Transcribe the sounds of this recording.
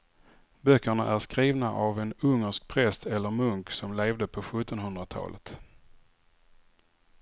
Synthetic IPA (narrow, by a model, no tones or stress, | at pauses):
bœkːəɳaʔæʂkɾiːvnaʔavɛnɵŋːəʂk̚pʰɾɛst̪ʰɛlːəɾmɵŋksɔmleːvd̪əpʰɔɧɵt̪ːɔnɦɵnd̪ɾat̪ʰɑ̰ːlət̪